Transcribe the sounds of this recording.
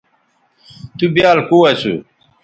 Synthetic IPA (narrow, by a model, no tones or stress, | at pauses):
t̪ubjaːlkuwɐsṵ